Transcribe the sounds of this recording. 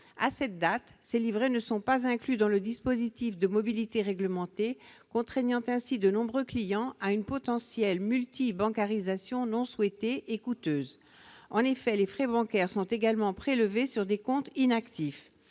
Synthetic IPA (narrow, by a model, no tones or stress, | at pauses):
asɛt̪̚d̪at̪selivʁenəsɔ̃pazɛ̃klyd̪ɑ̃ləd̪ispozit̪ifd̪əmɔbilit̪eʁɛɡləmɑ̃t̪ekɔ̃t̪χɛɲɑ̃t̪ɛ̃sid̪ənɔ̃bʁøklijɑ̃aynpɔt̪ɑ̃sjɛlmylt̪ibɑ̃kaʁizasjɔ̃nɔ̃swɛt̪eʔːkut̪øːz | ɑ̃nefɛlefχɛbɑ̃kʲɛʁsɔ̃t̪eɡalmɑ̃pχeləvesyʁd̪ekɔ̃t̪inakt̪if